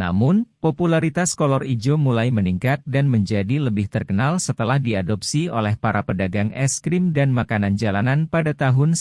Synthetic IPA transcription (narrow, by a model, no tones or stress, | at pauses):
na̰mʊnpopulaɾit̪askolɔrid͡ʒomulajməniŋkat̪̚danməɲd͡ʒadiləbɪht̪ərkənalsət̪əlahdiadɔpsio̰lɛhpaɾapədaɡaŋɛ̰skɾɪmdanmakanand͡ʒalananpadat̪aɦʊn